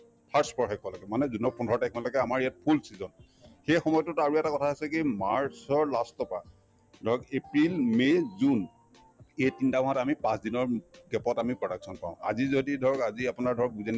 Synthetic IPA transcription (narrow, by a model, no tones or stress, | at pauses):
pʰaɹspɔɹxajkʰalakɛmanɛzunɔpundʱɔɹɔtajkʰalɔɡɛamaɹijat̚pʰulsizɔn | xejxɔmɔjɔtʊtaɹuɛtakɔtʰaasɛkimaɹsɔɹlastɔpa̰ | dʱɔɹɔkepɹilmezun | ejtintabɔɦatamipãsdinɔɹɡɛpɔtamipɹɔɾak̚sɔnpã̰ʊ̃a̰zizodidʱɔɹɔkaziapʊnaɹdʱɔɹɔk̚buzɛn